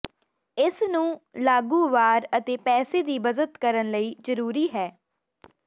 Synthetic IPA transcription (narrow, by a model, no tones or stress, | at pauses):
ɪsnũːlaːɡũːʋaːɾət̪eːpɛːseːd̪iːbəzət̪kəɾənləiːzəɾuːɾiːɦɛː